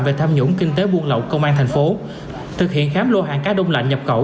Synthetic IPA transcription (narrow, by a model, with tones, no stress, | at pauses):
ve˨˩t̪ʰaː˧mɲu˧˥ŋkï˧ŋ̟t̪e˨˦ɓu˧ənlə̰˧˨wkə˧wŋ͡mʔaː˧nt̪ʰɛ˨˩ŋ̟fo˨˦ | t̪ʰɨ˨˩k̚hḭ˧˨ənxaː˨˦mlo˧ɦaː˨˩ŋkaː˦˥ɗə˧wŋ͡mla̰˧˨jŋ̟ɲə˨˩p̚xə˧˩w